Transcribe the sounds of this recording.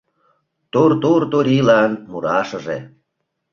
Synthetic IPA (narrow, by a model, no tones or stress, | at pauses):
t̪ort̪ort̪oɾʲilɑnmuɾɑʃə̆ʒḛ